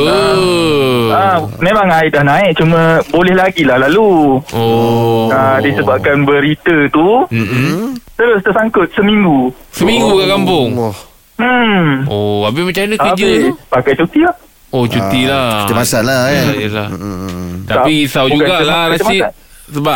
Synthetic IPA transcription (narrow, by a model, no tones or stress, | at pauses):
ə | amemãŋaɪdahnãɪk̚t͡ʃumə̃bolɛhlaɡilahlaluoadisəbap̚kanbəɾit̪ət̪um̩t̪əɾʊst̪ərsaŋkʊt̪̚səmĩŋɡu | səmiŋɡukaʔkampʊŋ | m̩oabimət͡ʃanəkəd͡ʒəpakajt͡ʃut̪ilah | ot͡ʃut̪ilaəmasatlaaila | t̪aapikisawd͡ʒuɡaʔlaɾasia | səba